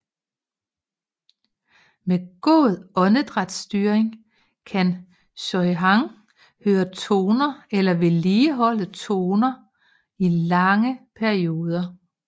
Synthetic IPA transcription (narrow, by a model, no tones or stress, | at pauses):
meɡ̥o̰ðˠɒ̽nəd̥ʁɑd̥sd̥yːɐeŋ | kʰæn | ɕɒɪɦɑ̈ŋ | høːɐt͡sʰo̝ːnɐelɐʋe̝liːɦɒ̽l̰ət͡sʰo̝ːnɐ | ilɑ̈ŋəpʰæɐio̝ːð̞ˠɐ